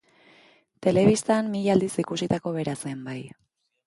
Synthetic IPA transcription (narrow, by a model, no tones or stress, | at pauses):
t̪e̞le̞βist̪anmiʎald̪isikusit̪ako̞βe̞ɾase̞mbaj